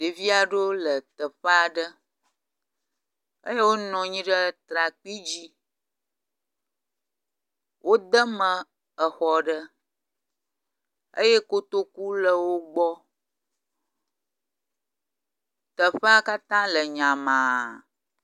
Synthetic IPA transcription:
ɖe˨vi˦a˨ɖo˦lə˨t̪ə˨ɸə˦a˨ɖə˦ | ə̰˦je˦wo˦nɔ̃˨ɲĩ˦ɖə˦t̪ɾa˨k͡pi˦d͡ʑi˦ | wʔo˦d̪ə˦mə̃˨ | ə˨xɔ˨ɖə˦ | ə̰˦je˦ko˦t̪o˦ku˦lə˨wo˦ɡ͡bɔ˦ | t̪ə˨ɸə˦a˦ka˦t̪ã˦lə˨ɲã˨mã˨

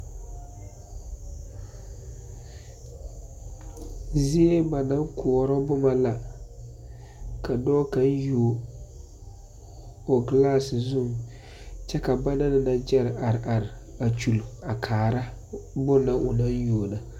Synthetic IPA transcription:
zi˦e˦ba˨na˦ŋkʰʊ˨ɔ˨ɾɔ˦bʊ˦ma˨la˨ | ka˨dɔː˦ka˨˦n˦ju˨ | o˨ɡlaː˦˨szu˦˨ŋ | t͡ʃɛ˦ka˨ba˦na˦nɪ˨na˨d͡ʒɛ˦ɾʔa˨ɾɪ˨ʔa˨ɾɪ˨ | a˨t͡ʃu˨la˨kʰaː˨ɾa˦bʊ˦na˨ʔʊ˨na˦njoː˨na˨

